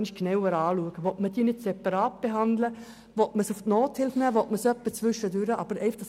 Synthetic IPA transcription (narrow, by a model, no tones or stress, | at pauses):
nʃknɛwəɾɑːluəɡ̥əʋɔtməd̥iːnɪtsɛpɑɾɑːt̚b̥eɦɑnd̪lə | ʋɔtməsʊftnoːthɪlfnæːʋɔtməsœpːət͡sʋʏʃədʉɾəʔɑb̥əɾɛɪfəχd̥ɑs